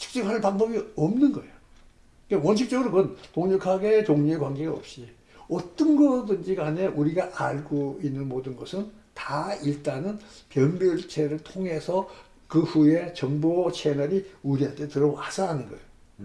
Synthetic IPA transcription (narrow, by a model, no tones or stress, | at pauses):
t͡ɕʰɯ̥k̚t͡ɕ͈ipʰaɭpaŋbʌbiʌmnɯnɡʌejo | kewʌnɕʰik̚t͡ɕ͈ʌɡɯɾoɡʌntoŋɲukʰaɡe̞t͡ɕoŋɲuekwanɡe̞ɡaʌ̰p̚ɕ͈i | ʌt͈ʌnɡʌdɯnd͡ʑiɡane̞ʔuɾiɡaʔaɭɡoinːɯnmodɯnɡʌsʰɯn | taiɭt͈anɯnpjʌnbjʌɭt͡ɕʰe̞ɾɯɭtʰoŋɦe̞sʰʌ | kɯɸue̞t͡ɕʌŋbot͡ɕʰe̞nʌɾiuɾiɦantʰetɯɾʌasʰaɦanɯnɡʌejo